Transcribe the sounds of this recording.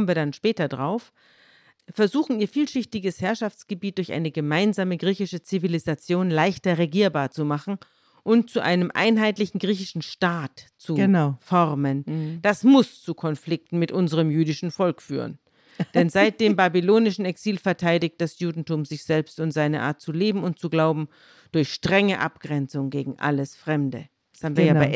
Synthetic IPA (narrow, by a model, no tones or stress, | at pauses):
mnviːɐdanʃpɛːtɐdʁaʊf | fɛɐzuːxn̩iːɐfiːlʃɪçtɪɡəshɛɐʃaft͡sɡ̥əbiːt̚d̥ʊɐçʔa̰ɪnəɡəmaɪnzaːməɡʁiːçɪʃət͡sivilizat͡sjoːnlaɪçtɐʁeɡiːɐbaːɐt͡sumaχn̩ | ʔʊnt̚t͡suʔa̰ɪnəmʔa̰ɪnɦaɪtlɪçn̩ɡʁiːçɪʃn̩ʃtaːtt͡sufɔʁmənd̥asmʊst͡sukʰɔnflɪk̚tn̩mɪtʔʊnzəʁəmjyːdɪʃn̩fɔlkfy̰ːʁə̰n | d̥ɛnzaɪt̚d̥eːmbaːbiloːnɪʃn̩ɛksiːlfɛɐtʰaɪdɪçt̚d̥asjuːdn̩tuːmzɪçz̥ɛlpstʊntz̥aɪnə̰ʔa̰ːɐt̚t͡suleːbm̩ʊnt̚t͡suɡlaʊbm̩ | d̥ʊɐçʃtʁ̥ɛŋəʔa̰pɡ̥ʁɛnt͡sʊŋɡeːɡŋ̩ʔa̰ləsfʁ̥ɛmdə | haːbmnviːɐjaːaɪ